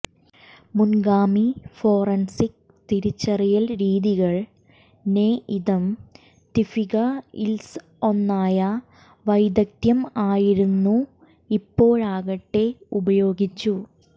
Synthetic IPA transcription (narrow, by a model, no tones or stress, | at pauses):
munɡaːmifo̞ːrɐnsik̚ | t̪iɾit͡ɕːɐrijɐlɾiːðiɣɐɭ | neːʔiðɐm | t̪ifiɣɐils | o̞nːaːjɐ | ʋɐjd̪ɐk̚t̪jɐmaːjiɾunːu | ipːo̞ːɻaːɣɐʈːe̞ubɐjo̞ːɡit͡ɕːu